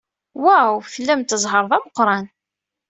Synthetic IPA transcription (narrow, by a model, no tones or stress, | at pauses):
wæwθəlːæmt̪əzˤɦəɾˤðˤæməqːɾˤɑn